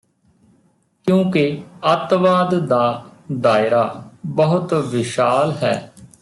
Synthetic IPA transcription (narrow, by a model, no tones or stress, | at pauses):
kjũːkeət̪ʋaːd̪d̪aːd̪aːɪɾaːbəɦʊt̪ʋɪʃaːlɦɛ̰ː